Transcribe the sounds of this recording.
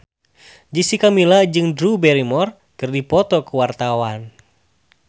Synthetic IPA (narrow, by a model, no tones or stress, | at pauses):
d͡ʒisikamilad͡ʒɨŋdɾubɛɾimɔr | kɨrdipɔt̪ɔkuwart̪awan